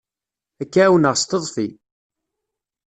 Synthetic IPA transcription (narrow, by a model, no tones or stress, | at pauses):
ækːæwənəʁst̪əðˤfi